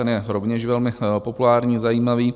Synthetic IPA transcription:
ɛnjɛɾovɲɛʃvɛlmɪpopulaːɾɲiːzajiːmaviː

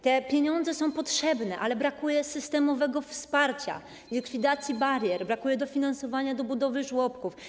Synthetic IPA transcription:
t̪ɛpʲjeɲɔnd̪zɛsɔ̃w̃pɔtʂɛbnɛʔalɛbɾakujɛsɘst̪ɛmɔvɛɡɔfspaɾt͡ɕa̰ | lʲikfʲid̪at̪sʲjibaɾʲjɛɾbɾakujɛd̪ɔfʲinansɔvaɲad̪ɔbud̪ɔvɘʐwɔpkuf

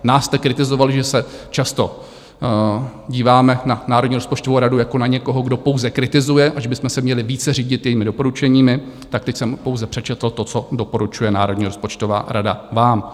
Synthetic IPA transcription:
naːsːt̪ɛkɾɪt̪ɪzo̞valʒɛsɛt͡ʃast̪o̞ | ɟiːvaːmɛnanaːɾodɲiːɾo̞spot͡ʃt̪ovowɾadujako̞naɲɛko̞ɦo̞ɡdo̞powzɛkɾɪt̪ɪzujɛʔaʒɛbɪsmɛsɛmɲɛlɪviːt͡sɛriːɟɪt̪jɛjiːmɪdo̞po̞ɾut͡ʃɛɲiːmɪ | t̪ak̚t̪ɛcsɛmpowzɛpr̥ɛt͡ʃɛt̪l̩t̪o̞t͡so̞dopo̞ɾut͡ʃujɛnaːɾodɲiːɾo̞spo̞t͡ʃt̪ova̰ːɾʔada̰vaːm

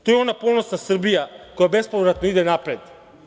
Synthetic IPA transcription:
t̪ojɛɔnapolˠnost̪nasr̩bijakojabɛspovɾat̪noid̪ɛnapɾɛt̪

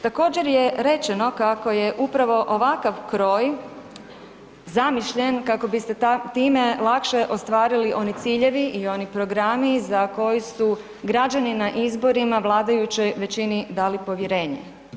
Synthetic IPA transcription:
t̪ako̞ːd͡ʑe̞ɾjeɾe̞t͡ʃe̞no̞kako̞je̞ʔupɾaʋo̞ʔoʋakaʋkɾo̞ːj | zamiʃʎe̞nkako̞bist̪et̪iːme̞lˠakʃe̞ʔo̞st̪ʋaːɾiliʔo̞nit̪siːʎe̞ʋiʔio̞nipɾo̞ɡɾamizako̞jesu | ɡɾad͡ʒaninaʔizbo̞ɾimaʋlˠaːd̪ajut͡ɕo̞jʋe̞t͡ɕinid̪aːlipo̞ʋjeɾe̞ːɲḛ

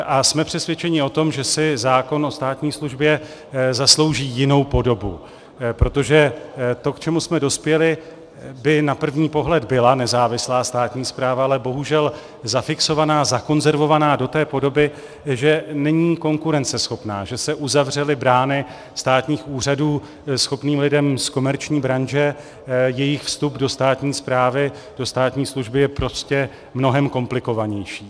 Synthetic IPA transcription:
ʔasmɛpr̝̥ɛsvjɛt͡ʃɛɲɪo̞t̪o̞mʒɛsɪzaːko̞no̞st̪aːt̪ɲiːsluʒbjɛ | zaslo̞wʒiːjɪno̞wpo̞do̞bṵ | pɾo̞t̪o̞ʒɛt̪o̞kt͡ʃɛmusmɛdo̞spjɛlɪ | bɪnapr̩vɲiːpo̞ɦlɛd̪bɪlanɛzaːvɪslaːst̪aːt̪ɲiːspɾaːvaalɛbo̞ɦuʒɛl | zafɪkso̞vanaːzako̞nzɛɾvo̞vanaːdo̞t̪ɛːpo̞do̞bɪ | ʒɛnɛɲiːko̞ŋkuɾɛnt͡sɛsxo̞pna̰ːʒɛsɛʔuzavr̝ɛlɪbɾaːnɪ | st̪aːt̪ɲiːxʔuːr̝aduː | sxo̞pniːmlɪdɛmsko̞mɛɾt͡ʃɲiːbɾanʒɛ | jɛjɪxfst̪updo̞st̪aːt̪ɲiːspɾaːvɪ | d̥o̞st̪aːt̪ɲiːsluʒbɪjɛpɾo̞scɛ | mno̞ɦɛmko̞mplɪko̞vaɲɛjʃiː

